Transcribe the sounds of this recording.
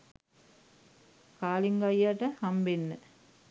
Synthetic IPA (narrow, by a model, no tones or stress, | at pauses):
kaːliŋɡajaʈəhambenːə